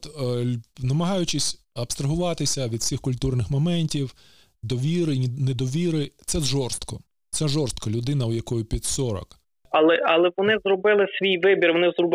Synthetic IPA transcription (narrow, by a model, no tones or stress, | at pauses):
t̪ | nɐmɐɦɑjʊt͡ʃɪsʲɐpst̪ɾɐɦʊʋɑt̪ɪsʲɐʋʲid̪fsʲixkʊlʲt̪urnɪxmɔmɛnʲtʲiw | d̪ɔʋʲiɾɪnɛd̪ɔʋʲiɾɪt̪sɛzʒɔrst̪kɔ | t̪sɛʒɔrst̪̚kɐlʲʊd̪ɪnɐwjɐkɔjʊpʲid̪ʲsɔɾɔ̰k | ɐlˠɛɐlˠɛʋɔnɪzrɔbɪlˠɪsʲʋʲijʋɪbʲirʋɔnɪzrɔb